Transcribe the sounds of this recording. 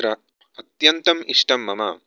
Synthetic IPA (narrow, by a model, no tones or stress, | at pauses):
ɾɐ | ɐt̪jɐnt̪ɐmiʂʈɐmːɐmɐ̰